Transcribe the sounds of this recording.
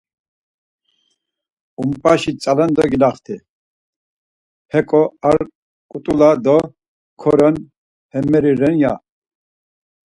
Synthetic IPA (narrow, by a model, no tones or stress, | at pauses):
umpʼaʃit͡sʼalɛnd̪ɔɡilaχt̪ʰi | hɛkʼɔaɾ | kʼut̪ʼulad̪ɔ | kʰɔɾɛn | hɛmɛɾiɾɛnja